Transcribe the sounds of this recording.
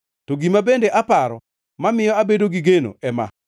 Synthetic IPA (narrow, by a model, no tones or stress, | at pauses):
toɡimabendeʔapaɾɔ | mamɪjɔabedoɡiɡeno̰ɛma̰